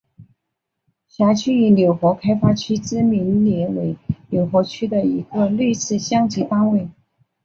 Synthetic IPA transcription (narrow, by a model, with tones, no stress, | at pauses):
ɕja˧˥t͡ɕʰy˥˩i˧˥njo˨˩ʊxwɔ˧˥kʰa˥ɪfa˥t͡ɕʰy˥t͡sɹɻ̩˥mi˧˥nljɛ˧˥we˧˥ɪnjo˨˩ʊxwɔ˧˥t͡ɕʰy˥d̪ə˨i˧˥ɡə˧le˥˧ɪsɹ̩˥˩ɕjɑ˥ŋt͡ɕʰi˧˥fa˥ŋwe˥˩ɪ